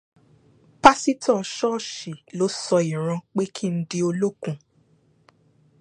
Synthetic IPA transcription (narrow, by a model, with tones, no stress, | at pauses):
pa˦si˦tɔ̃˦˨ʃɔ˦˨ʃi˨lo˨˦sɔ˧i˨ɾ̃ã˧k͡pe˦kʰi˦n̩˦di˦o˧lo˦kũ˦